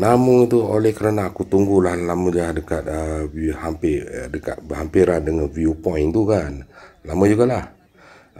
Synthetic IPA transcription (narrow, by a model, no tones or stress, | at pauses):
namuŋit̪uolɛhkəɾanaːkut̪uŋɡulahlaməlahdəkat̪̚əhampɪdəka̰t̪̚bəhampiɾandəŋanviupɔint̪ukanlamad͡ʒuɡalah